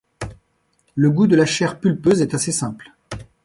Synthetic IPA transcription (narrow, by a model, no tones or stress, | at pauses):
ləɡud̪əlaʃɛʁpylpøzɛt̪asesɛ̃pl